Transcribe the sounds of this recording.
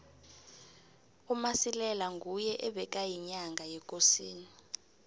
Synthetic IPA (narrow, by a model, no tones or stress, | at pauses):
umasilɛlaŋɡʱujɛʔɛɓɛk̬ʼajiɲaŋɡʱajɛk̬ʼosiːni